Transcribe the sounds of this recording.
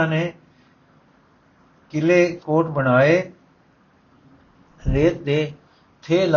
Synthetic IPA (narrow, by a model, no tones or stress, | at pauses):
ãːneː | kɪleːkoːʈbəɽ̃aːeː | ɾeːt̪̚d̪eː | t̪ʰeːl